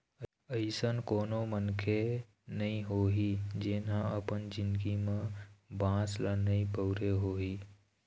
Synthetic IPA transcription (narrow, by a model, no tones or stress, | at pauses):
əɪsənkoːnomənkʰe | nəĩɦoːɦid͡ʒenɦə̃əpənd͡ʒɪ̃nd̪ɡimẽbãːslənəĩpəʊɾeɦoːɦiː